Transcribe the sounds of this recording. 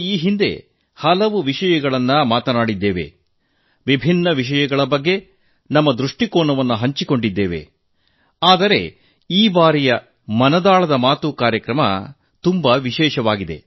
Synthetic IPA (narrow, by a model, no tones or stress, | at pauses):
iːɦind̪e̞̰ | hɐlɐʋuʋiʃɐjɐɡɐɭɐnːɐmaːt̪ɐnaːɽid̪ːeːʋe̞̰ | ʋibʱinːɐʋiʃ̬ɐjɐɡɐɭɐbɐɡːe̞ | nɐmːɐd̪ɾuʂʈikoːɳɐʋɐnːuɦɐɲt͡ʃiko̞ɳɖid̪ːeːʋe̞̰ | aːd̪ɐɾe̞̰ | iːbaːɾijɐ | mɐnɐd̪aːɭɐd̪ɐmaːt̪ukaːɾjɐkɾɐmɐ̰ | t̪umbɐʋiʃɛːʃɐʋaːɡid̪e̞̰